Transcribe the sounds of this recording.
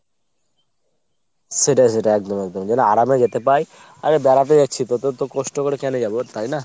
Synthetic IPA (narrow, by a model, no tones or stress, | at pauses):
seʈas̬eʈaɛk̚d̪ɔmɛkd̪ɔmd͡ʑɛnoaɾamed͡ʑet̪epaj | a̰ɾebɛɾat̪ed͡ʑat͡ɕʰit̪ot̪ot̪okɔsʈokoɽekɛned͡ʑabot̪ajna